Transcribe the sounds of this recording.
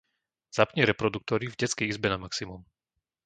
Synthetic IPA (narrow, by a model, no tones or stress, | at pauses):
z̥apɲɛɾɛpɾɔd̪uk̚t̪ɔɾivɟɛt͡skɛizbɛnamaksimum